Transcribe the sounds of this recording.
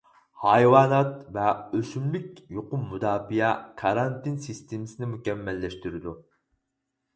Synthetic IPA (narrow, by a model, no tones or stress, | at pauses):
hɑjwɑːnɑt̪vɛøsymlykʲjoqʊmːud̪ɑːbijɛkʰɑɾɑnt̪ʰɪnsist̪ʰemɪsɪnɪmukʲɛmːɛlːɛʃt̪yɾɪd̪u